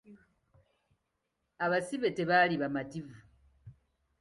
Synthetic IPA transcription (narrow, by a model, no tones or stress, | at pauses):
aβasiβe̞te̞βaliβamativu